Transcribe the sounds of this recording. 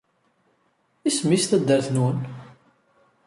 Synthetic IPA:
ismist̪æd̪ːəɾθnun

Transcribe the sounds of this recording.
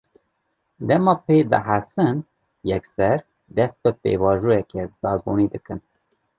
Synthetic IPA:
d̪ɛmɑːpʰebɨ̰ɦasɨn | jɛksɛɾ | d̪ɛst̪̚bɨpḛvɑːʒujɛkezɑːɡonid̪ɨkɨn

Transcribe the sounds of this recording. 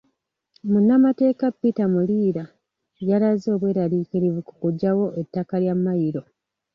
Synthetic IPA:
munːamate̞ːkapːitamuliːɾa | jalazo̞ːβwe̞ːɾaliːkiɾivuku̥kuɟːawo̞ʔetːakaljamːajiɾo̞

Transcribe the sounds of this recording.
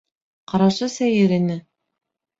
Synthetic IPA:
qɑɾɑʃɤsæjɘɾɘ̆nɘ

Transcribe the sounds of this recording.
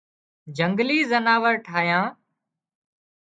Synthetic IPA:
d͡ʒəŋɡliːzənaːʋəɾʈʰaːjãː

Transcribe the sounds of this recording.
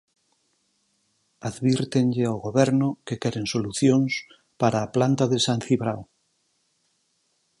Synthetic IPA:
aðβiɾt̪eŋʎeawɣoβɛɾnʊkekɛɾeŋsoluθjoŋs | paɾaːplant̪aðesanθiβɾaw

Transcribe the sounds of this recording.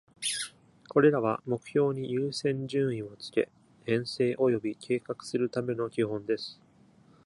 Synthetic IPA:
ko̞ɾe̞ɾaβ̞amo̞kɯ̟̥ço̞ːɲ̟ijɯːsẽ̞ɲ̟d͡ʑɨ̃ːɰĩo̞t͡sɨ̥ke̞̰ | hẽ̞ɰ̃se̞ːʔo̞jo̞bʲikʰe̞ːkakɯ̟̥sɨɾɯ̟t̪ame̞no̞kʲiɦõ̞nd̪e̞sɨ̥

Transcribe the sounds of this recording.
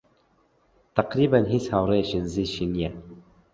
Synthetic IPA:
t̪aqɾibanɦishawɾeʃinziʃinija

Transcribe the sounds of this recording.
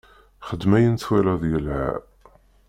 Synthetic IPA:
χəd̪mæjənt͡swælæðijəlʕa̰

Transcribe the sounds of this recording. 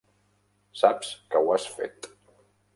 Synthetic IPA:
sapskəwasfḛt̪

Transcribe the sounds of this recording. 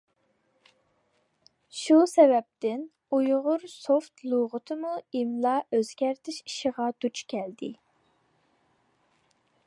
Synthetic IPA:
ʃusɛvɛp̚t̪ɪn | ujʁʊɾsoft̪ʰlˠuʁʊt̪ʰɨmuimlˠɑʔøzɡʲæɾt̪ʰɪʃi̥ʃəʁɑd̪̥ut͡ʃkʲʰɛld̪ɪ̰

